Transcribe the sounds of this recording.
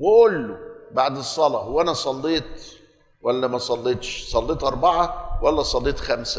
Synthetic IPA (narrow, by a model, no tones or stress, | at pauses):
weʔolːobaʕd̪esˤːɑlɑhowːæʔænæsˤɑlːeːt̪ | wælːæmæsˤɑlːeːt̪ˤʃsˤɑlːeːt̪ʔɑɾˤbɑʕɑwælːæsˤɑlːeːt̪xæmsæ